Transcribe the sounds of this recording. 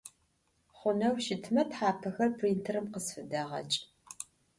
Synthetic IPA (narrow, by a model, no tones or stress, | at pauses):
χʷʊnɐwʃɪtʰmɐtħaːpʰɐxɐrpʰriːntʰɨrɨmqəsfɨdɐʁɐ̰t͡ʃʼ